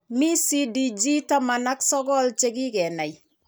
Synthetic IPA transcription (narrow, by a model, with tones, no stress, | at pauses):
mi˦si˦di˨d͡ʒi˦ta˦ma˨na˦ksɔ˦ɡɔ˦lt͡ʃe˦ki˦kɛ˨na˨ji